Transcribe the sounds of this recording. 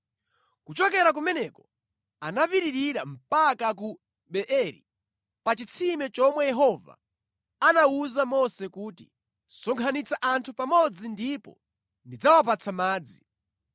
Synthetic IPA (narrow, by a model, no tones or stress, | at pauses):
kut͡ʃɔkɛɾak̬umɛnɛkɔ | anapiɾiɾiɾam̩pakak̬u | ɓɛʔɛɾḭ | pat͡ʃit͡sʰimɛt͡ʃɔmwɛjɛɦɔva̰ | anauzamɔsɛkuːtḭ | sɔŋkʰanit͡saʔantʰupamɔd͡zindipɔ̰ | ndid͡zawap̬at͡sʰamaːd͡zi